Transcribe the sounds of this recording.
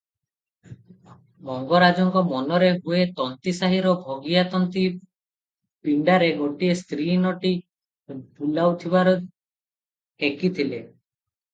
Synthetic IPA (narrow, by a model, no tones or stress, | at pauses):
mɔŋɡɔɾad͡ʒɔŋkɔmɔnɔɾeɦuet̪ɔnt̪isaɦiɾɔbʱoɡijat̪ɔnt̪i | piɳɖaɾeɡoʈiest̪ɾinɔʈi | pulawt̪ʰibaɾɔ | hekit̪ʰile